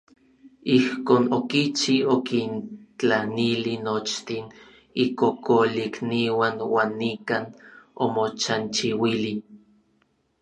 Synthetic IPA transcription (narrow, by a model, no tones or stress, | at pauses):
ihkoːnokit͡ʃiokint͡ɬanilinot͡ʃt̪in | ikokoliikniwanwaːnːikaːnomot͡ʃant͡ʃiwili